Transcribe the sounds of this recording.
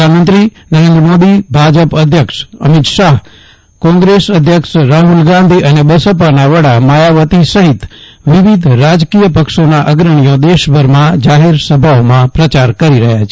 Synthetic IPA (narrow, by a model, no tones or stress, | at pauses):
anmənt̪ɾi | nəɾend̪ɾəmod̪ibʱad͡ʒəpəd̪ʱjəkʂə̰mit̪ʃaɦ | kɔ̃ŋɡɾesəd̪ʱjəkʂɾaɦulɡãnd̪ʱiʔənebəsəpanaʋəɽaməjaʋət̪isəɦit̪ | ʋɪʋid̪ʱɾad͡ʒkijəpəkʃonaʔəɡɾəɽ̃ijod̪eʃbʱəɾmãd͡ʒaɦeɾsəbʱaomãpɾət͡ʃaɾkəɾiɾəɦjat͡ʃʰe